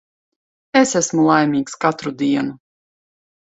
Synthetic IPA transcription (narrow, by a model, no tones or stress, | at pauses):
esæsmulˠajmʲiːkskat̪ɾud̪iɛnu